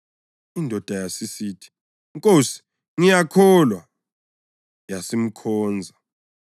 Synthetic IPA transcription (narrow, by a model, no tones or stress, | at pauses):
indʱɔd̥ʱajasisiːtʰi̥ | ŋkʼosi̥ | ŋijakʰɔlwa | jasim̩kʰɔːnd͡zʱa